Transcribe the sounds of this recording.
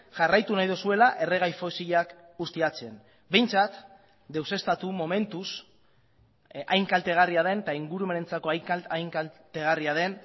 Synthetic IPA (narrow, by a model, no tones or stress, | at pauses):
ʝarajt̪unajðosue̞laʔe̞re̞ɣ̞ajfosiʎak | ust̪iat͡se̞n | be̞jnt͡sat̪ | d̪e̞wse̞st̪at̪umo̞me̞nt̪us | ajŋkalt̪e̞ɣ̞ariaðe̞nt̪aiŋɡuɾume̞ne̞nt͡sako̞ajŋkt̪e̞ɣ̞ariað̞e̞n